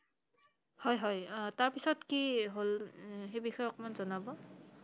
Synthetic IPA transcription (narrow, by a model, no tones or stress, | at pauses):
hɔjɦɔjtaɹpisɔtkiɦolxejbixɔjɔkmanzɔnabɔ